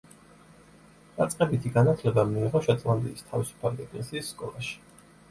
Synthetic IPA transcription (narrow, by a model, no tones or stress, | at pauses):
d̪at̪sʼqʼɛbit̪ʰiɡanat̪ʰlɛbamiːʁɔʃɛt̪sʼlˠamd̪iist̪ʰavisu̥pʰaliɛkʼlisiːsːkʼɔlˠaʃi̥